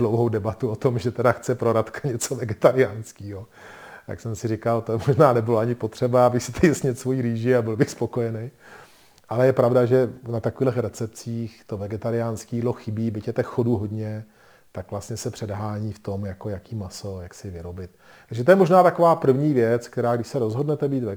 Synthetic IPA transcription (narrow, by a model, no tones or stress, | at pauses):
lowɦowdɛbat̪uot̪omʒɛt̪ɛdaxt͡sɛpɾo̞ɾat̪kʰḁɲɛt͡so̞vɛɡɛt̪aɾɪjaːnskiːɦo | t̪j̪a̰ksɛmsɪɾɪkalt̪omoʒnaːnɛbɪloaɲɪpot̪r̝̥ɛbaabɪxsɪ̥t̪ɛjɪsɲɛt̪svo̞jiːɾiːʒɪabɪlbɪxspokojɛnej | ʔalɛjɛpɾavdaʒɛnat̪akviːdlɛxɾɛt͡sɛp̚t͡siːxt̪ovɛɡɛt̪aɾɪjaːnskiːdlo̞xɪbiːbɪcjɛt̪ɛxxoduːɦodɲɛ | t̪akvlastɲɛsɛpr̥ɛdɦaːɲiːft̪omjakojakiːmaso̞jaksɪvɪɾo̞bɪt̪̚ | t̪aɡʒɛt̪o̞jɛmo̞ʒnaːt̪akovaːpr̩vɲiːvjɛt͡sk̚t̪ɛɾaːɡdɪʃsɛɾo̞zɦo̞dnɛt̪ɛbiːt̪vɛ